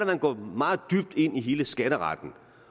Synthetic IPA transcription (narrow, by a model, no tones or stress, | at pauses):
æmænɡ̥ɒ̰ːmɑ̈ːð̩ˠd̥yb̥̚d̥e̝n̰iɦe̝ːləsɡ̥ænəʁɑ̰̈d̥n̩